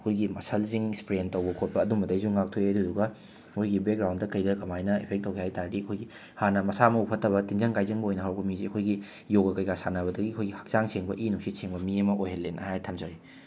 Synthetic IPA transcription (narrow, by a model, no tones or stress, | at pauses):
ɐkʰojɡimɐsʰɐlziŋspɾentɐwbɐkʰot̚pɐːdumɐdɐjzuŋak̚tʰojeduduɡɐ | kojɡibek̚ɾawndɐkɐjdɐkɐmajnɐepʰek̚tːɐwkʰihajtaɾɾiɐkʰojɡi | hanɐmɐsamɐupʰɐtːɐβɐtiŋzɐŋkajzɐŋbɐojnɐɦawkɐmiziɐkʰojɡi | joɡɐkɐjkasanɐβɐdɐɡiɐkʰojɡihɐ̥k̚t͡ʃaŋsʰeŋbɐʔinuk̚sisʰeŋbɐmiɐmɐʔojɦɐlːenɐ̰hajtʰɐmzɐɾi